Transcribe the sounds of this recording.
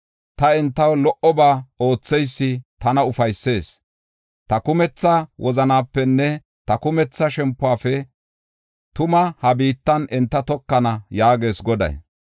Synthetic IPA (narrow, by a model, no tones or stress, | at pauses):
t̪ɐɛnt̪ːɐwlɔʔɔbaːo̞ːt͡sːɛjsːɪt̪ɐnɐʊfɐjsːe̞ːs | t̪ɐkʊmɛt͡sːɐwʔɔzɐnaːpːɛnːɛ | t̪ɐkʊmɛt͡sːɐʃɛmpːʊaːfɛ | t̪ʊmɐhɐbiːt̪ːɐnɛnt̪ːɐt̪ɔkːɐnɐjaːɡe̞ːsɡɔd̪ɐ̰j